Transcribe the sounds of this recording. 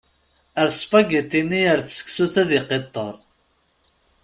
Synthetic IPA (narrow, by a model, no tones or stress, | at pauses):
əɾspæɡət̪ːinːiəɾθsə̥kːsuθæðiqet̪ˤːəɾˤ